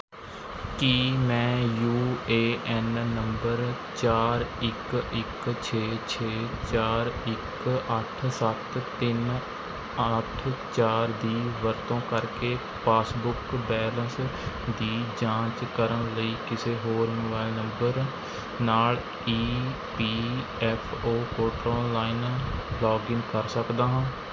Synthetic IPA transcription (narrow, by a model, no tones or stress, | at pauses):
kiːmɛ̃ːjuːeːʔɛːnːəmbəɾ | t͡ʃaːɾɪkɪkt͡ʃʰeːt͡ʃʰeːt͡ʃaːɾɪk | əʈʰsət̪t̪ːɪn | əʈʰt͡ʃaːɾd̪iːʋəɾt̪õːkəɾkeː | paːsbʊkbɛːlə̃ns | d̪iːd͡ʒãːt͡ʃkəɾəɳləiːkɪseːɦoːɾmoːbaːɪlnə̃mbəɾ | naːl | iː | piː | ɛːpʰoːkoːʈɾoːlːaːinblɔːɡɪŋkəɾsəkd̪aːɦãː